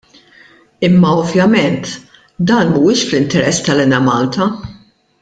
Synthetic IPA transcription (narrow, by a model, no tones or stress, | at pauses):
ɪmːɐɔvjɐmɛnt̪ | d̪ɐːnuːɪːʃflɪnt̪ɛɾɛsːt̪ɐlɛnɐmɐːlt̪ɐ